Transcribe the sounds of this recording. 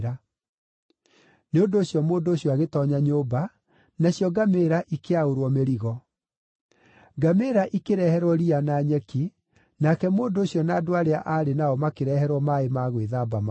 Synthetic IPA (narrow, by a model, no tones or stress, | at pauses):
ɾa | neondoːɕjɔmoːndoːɕjɔaɣetɔɲaɲoːba | naɕjɔɡameɾaʔikeaoɾwɔmeɾiɣɔ | ɡameːɾaʔikeɾɛhɛɾwɔɾianaːɲɛki | nakɛmoːndoːɕjɔnaːdoaɾeaʔaɾenaɔmakeɾɛhɛɾwɔmaemaɣweðaːbama